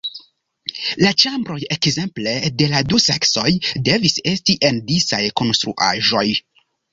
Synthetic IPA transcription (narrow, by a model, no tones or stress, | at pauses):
lat͡ʃambɾo̞jekze̞mple̞de̞ladusekso̞jde̞vise̞stiʔe̞ndisajko̞nst̪ɾṵʔa̰ʒo̞j